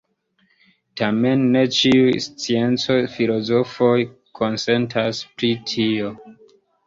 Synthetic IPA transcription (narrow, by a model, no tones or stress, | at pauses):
tame̞nːe̞t͡ʃiujst͡sie̞nt͡so̞jfilo̞zo̞fo̞j | kʰo̞nse̞ntʰaspɾitʰio̞